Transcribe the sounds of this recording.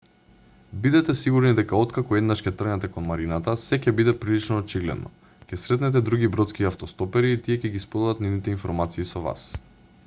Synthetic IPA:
bid̪ɛt̪ɛsiɡuɾnid̪ɛkaɔt̪kakɔɛd̪naʃcʲɛt̪r̩nɛt̪ɛkonmaɾinat̪asɛcɛbid̪ɛpɾilit͡ʃnɔːt͡ʃiɡlɛ̰d̪nʔɔ̰ | cʲɛsɾɛt̪nɛt̪̬ɛd̪ɾuɡʲibɾɔt̪skiaft̪ɔst̪ɔpɛɾiːt̪iɛcɛɡispɔd̪ad̪at̪nivnit̪ɛinfɔɾmat̪siːsɔva̰s

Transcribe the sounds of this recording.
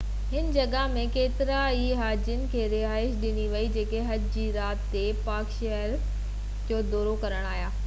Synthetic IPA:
ɦɪn̆d͡ʑɐɠamẽkeːt̪ɪɾaiɦaːd͡ʑənɪ̆kʰeːɾɪɦaːɪʃɗɪniʋɐid͡ʑeːkeɦɐd͡ʑd͡ʑiːɾaːt̪ːepaːkʃɐɦəɾ | d͡ʑoːd̪oːɾokɐɾəɽ̃aːɦjaː

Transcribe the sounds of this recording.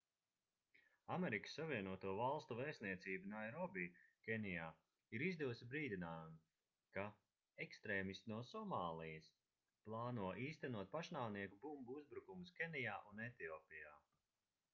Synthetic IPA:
ameɾikə̥sːaviɛnuɔt̪uɔvalˠst̪uvɛːsniɛt̪siːbunajɾɔbikʲenijaː | iɾizd̪uʊsibɾiːd̪inaːjum | ka | ekst̪ɾeːmist̪nuɔsɔmaːlˠijɐs | plˠaːnuɔʔiːst̪ɛnuɔt̪̚paʃnaːwniɛkubumbuuzbɾukumuskʲenijaːʔunet̪iɔːpijaː

